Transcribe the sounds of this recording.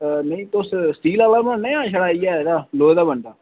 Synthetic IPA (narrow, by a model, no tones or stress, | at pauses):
nəĩːt̪ossʈiːlaːlaːmənnẽãːʃʰəɽaːiːɛːd̪aːloːd̪aːbəɳɖaː